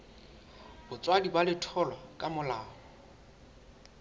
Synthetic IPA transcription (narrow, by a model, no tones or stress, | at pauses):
bʊt͡sʼwadibalɪtʰɔlwakʼamʊlaːɔ